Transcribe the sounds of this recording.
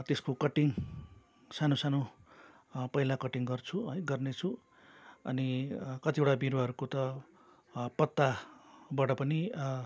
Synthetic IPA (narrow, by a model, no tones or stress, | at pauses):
t̪eskokʌʈiŋ | sanosano | pʌɦilakʌʈiŋɡʌrt͡sʰuɦʌjɡʌrnet͡sʰu | ʌ̰nikʌt̪ieʈabiɾʌɦʌɾukot̪ʌ | pʌt̪ːabaʈʌpʌni